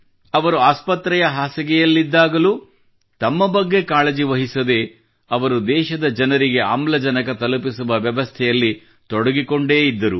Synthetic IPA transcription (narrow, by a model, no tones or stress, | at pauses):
ɐʋɐɾuaːspɐt̪ɾɛjɐɦaːsɐɡɛjɐlːid̪ːaːɡɐlu | t̪ɐmːɐbɐɡːe̞kaːlɐd͡ʒiʋɐɦisɐd̪e̞ | ɐʋɐɾud̪ɛːʃɐd̪ɐd͡ʒɐnɐɾiɡe̞a̰mlɐd͡ʒɐnɐkɐt̪ɐlupisuʋɐʋjɐʋɐst̪ʰɛjɐlːi | t̪ɔɽɐɡiko̞ɳɖe̞ːid̪ːɐɾu